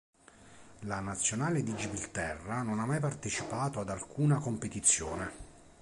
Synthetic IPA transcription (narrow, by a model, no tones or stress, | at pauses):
lanat̪sːjonaːled̪id͡ʒibilt̪ɛrːanonamːajpart̪et͡ʃipaːt̪oad̪alkʰuːnakompet̪it̪sːjoːne